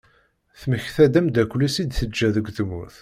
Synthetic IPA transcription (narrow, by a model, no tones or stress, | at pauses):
θməçθæd̪æmd̪ækʷːlisid̪θəd͡ʒːæðəɡʷθmṵθ